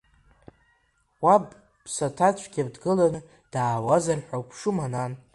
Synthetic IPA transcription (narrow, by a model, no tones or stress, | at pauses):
wab | bsatʰat͡ʃʷʰʼɡʲabdɡɨlanɨ | d̥aːwazarħʷawpʰʂɨmanan